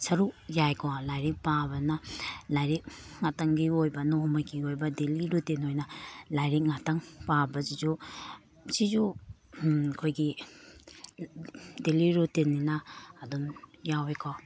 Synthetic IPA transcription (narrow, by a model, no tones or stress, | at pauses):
sɐɾukjajkʰɔlajɾik̚pabɐnɐlajɾik̚ŋataŋɡiojbɐnohmakiojbɐdeliɾutenojnɐlajɾik̚ŋataŋpabɐsid͡ʒu | sid͡ʒu | kʰojɡi | deliɾutenːinɐːdumjawekʰɔ